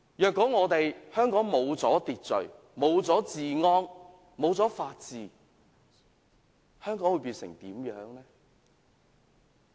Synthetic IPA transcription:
jœː˨kːɔː˨˥ŋɔː˨˧t̪e˨jhœː˥ŋkɔː˨˥ŋmo˨˧wt͡sɔː˨˥t̪iː˨t̚t͡sɵ˨ɥ | mo˨˧wt͡sɔː˨˥t͡siː˨ŋɔː˥ŋ | mo˨˧wt͡sɔː˨˥faː˧t̚t͡siː˨ | hœː˥ŋkɔː˨˥ŋwu˨˧jpiː˧nsɪ̰˨˩ŋt̪iː˨˥mjœː˨˥ŋlɛː˥

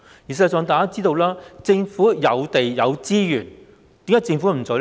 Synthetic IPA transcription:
ji˨˩s̬sœː˨˧ŋt̪aː˨jkaː˥t͡siː˥t̪o˧wlaː˥t͡sɪ˧ŋfuː˨˥jɐ˨˧wt̪e˨jjɐ˨˧wt͡siː˥jyː˨˩n | t̪iː˨˥ŋaː˨˧˥jt͡sɪ˧ŋfu˨˥m̩˨˩t͡so˨˧˥

